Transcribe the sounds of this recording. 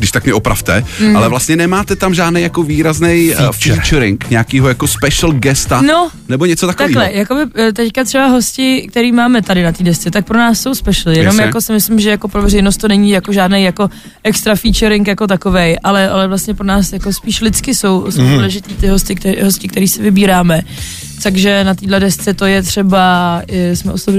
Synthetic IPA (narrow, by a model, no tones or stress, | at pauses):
ɡdɪʃt̪ak̚mɲɛʔopɾa̰ft̪ɛalɛvlast̪ɲɛnɛmaːt̪ɛt̪amʒaːdnejakoviːɾaznɛjft͡ʃːt͡ʃɾɪŋkɲɛakiːɦojakospɛʃl̩ɡɛst̪ano | nɛboɲɛt͡sot̪akt̪aviːklɛjakobɪt̪ɛckat̪r̥ɛbaɦo̞scɪk̚t̪ɛɾiːmaːmɛt̪adɪnat̪iːdɛst͡sɛt̪ak̚pɾonaːsːo̞wspɛʃl̩ɪjɛjnomjako̞sɪmɪslɪmʒɛjako̞pɾovɛrɛjnost̪ːo̞nɛɲiːjako̞ʒaːdnejako̞ | ʔɛkst̪ɾafiːt͡ʃɛɾɪŋkjako̞t̪̬ako̞vɛjʔalɛalɛvlast̪ɲɛpɾonaːsjakospiːʃlɪt͡skɪso̞wsowduːlɛʒɪt̪iːt̪ɪɦo̞stɪkt̪ɦoscɪkt̪ɛɾiːsɪvɪbiːɾaːmɛ | t̪aɡʒɛnat̪iːdlɛdɛst͡sɛt̪o̞jɛt̪r̝̥ɛbaɪsmɛʔosob